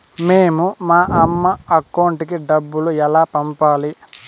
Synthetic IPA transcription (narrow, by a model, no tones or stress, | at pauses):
meːmumaːʔɐmːɐɐkːɐwɳʈikiɖɐbːuluɛlaːpɐmpaːli